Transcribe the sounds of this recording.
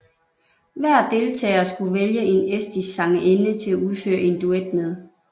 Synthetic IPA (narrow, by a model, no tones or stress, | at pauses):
ʋæɐ̰d̥e̝lt͡sʰɛ̰ːɐsɡ̥uʋeljəʔe̝nesd̥isɑ̈ŋəʔenət͡sʰe̝læuðˠfø̰ːɐe̝nd̥ued̥̚með̞ˠ